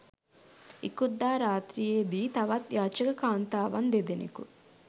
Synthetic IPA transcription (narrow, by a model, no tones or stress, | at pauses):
ḭkud̪ːaːɾaːt̪ɾijeːd̪it̪ɐʋɐt̪jaːt͡ʃɐkɐkaːnt̪aːʋɐnd̪ed̪inḭkṵ